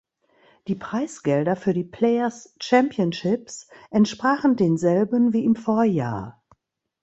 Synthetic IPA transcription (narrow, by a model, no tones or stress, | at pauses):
d̥iːpʁ̥aɪsɡ̥ɛldɐfyːɐdiːpʰl̥ɛɪɐst͡ʃɛmpjənʃɪpsʔɛntʃpʁ̥aːχn̩deːnzɛlbənviːɪmfoɐja̰ːɐ